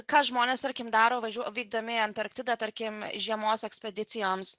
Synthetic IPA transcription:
kɑːʒmoːnʲeːst̪ɐɾʲkʲɪmd̪ɑːɾoːʋɐʒʲuɔʋʲiːɡ̚d̪ɐmʲɪɐnt̪ɐɾk̚t̪ʲɪd̪ɐt̪ɐɾʲkʲɪmʒʲiɛmoːsɛksʲpʲɛd̪ʲɪt̪sʲɪjoːms

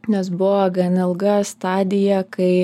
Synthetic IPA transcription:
nʲɛsbʊʋoːɡɐnɪlˠɡɐst̪ɑːd̪ʲɪjɛkɐɪ

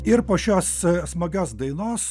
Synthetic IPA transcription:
ɪɾpoːʃʲoːssmɐɡʲoːsd̪ɐɪnoːs

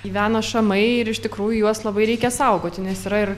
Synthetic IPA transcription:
iʋʲæːnɐʃɐmɐɪɪɾɪʃt̪ʲɪkɾuːjujuɔslˠɐbɐɪɾʲɛɪkʲɛsɐʊɡoːt̪ʲɪnʲɛsiːɾɐɪr

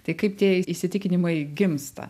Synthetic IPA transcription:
t̪ɐɪkɐɪpt̪ʲiɛɪɪʃʲsʲɪt̪ʲɪkʲɪnʲɪmɐɪɡʲɪmst̪ɐ̰

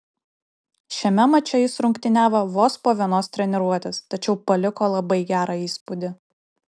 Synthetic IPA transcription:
ʃʲɛmʲɛmɐt͡ʃʲɛjɪsɾʊŋʲkt̪ʲɪnʲæːʋɐʋoːspoːʋʲiɛnoːst̪ʲɾʲɛnʲɛɾuɔt̪ʲest̪ɐt͡ʃʲɛʊpɐlʲɪkoːlˠɐbɐɪɡʲæːɾɑiːspʊd̪ʲɪ

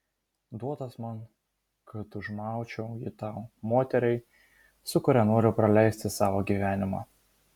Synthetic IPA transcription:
d̪uɔt̪ɐsmɐn | kɐt̪ʊʒmɑˑʊt͡ʃʲɛʊjɪt̪ɑʊmoːt̪ʲɛɾʲɛɪ | sʊkʊɾʲænoɔɾʲʊpɾɐlʲɛˑɪsʲt̪ʲɪsɑːʋoːɡʲiːʋʲæːnʲɪmɑ̰ː

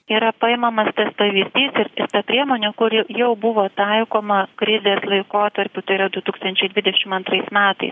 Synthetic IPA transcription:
iːɾɐpɐɪmɐmɐst̪ɐspɐʋʲiːzʲd̪ʲiːsɪɾɪɾt̪ɐpʲɾʲiɛmoːnʲukʊɾjɛʊbʊʋoːt̪ɐɪkoːmɐkɾʲɪzʲeːslˠɐɪkoːt̪ɐɾʲpʲʊt̪ɐɪɾɐd̪ʊt̪uːkst̪ɐnʲt͡ʃʲɛɪd̪ʋʲɪd̪ʲɛʃʲɪmɐnt̪ɾɐɪsmʲæːt̪ɐ̰ɪs

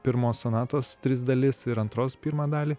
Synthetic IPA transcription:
pʲɪɾmoːsonɑːt̪oːst̪ʲɾʲɪsd̪ɐlʲɪsɪɾɐnt̪ɾoːspʲiːɾmɑːd̪ɑːlʲiː

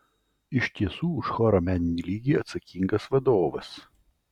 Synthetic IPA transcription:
ɪʃʲt̪ʲiɛsuːʊʃxɔːɾomʲænʲɪnʲiːlʲiːɡʲiːɐt̪sɐkʲiŋɡɐsʋɐd̪oːʋɐs

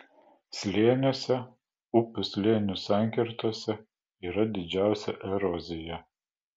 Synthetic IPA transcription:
sʲlʲeːnʲoːsʲɛ | ʊpʲʊsʲlʲeːnʲʊsæˑŋʲkʲɪɾt̪oːsʲɛ | iːɾɐd̪ʲɪd͡ʒʲæˑʊsʲɛʔɛɾɔzʲɪjɛ

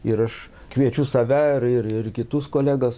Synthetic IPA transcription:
ɪɾɐʃ | kʋʲiɛt͡ʃʲʊsɐʋʲæɪrɪrɪrkʲɪt̪ʊskoːlʲæːɡɐs

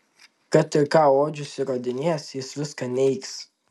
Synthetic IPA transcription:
kɐt̪ɪɾkaːwoːd͡ʒʊsʲɪɾoːd̪ʲɪnʲeɛsɪsʋʲɪskɐnʲɛɪks

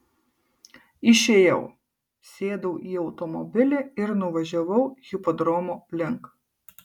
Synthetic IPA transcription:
ɪʃʲeːjɛʊ | sʲeːd̪ɐʊʔiːɒʊt̪ɔmɔbʲɪlʲɛɪɾnʊʋɐʒʲɛʋɐʊɣʲɪpɔd̪ɾɔmoːlʲɪŋk

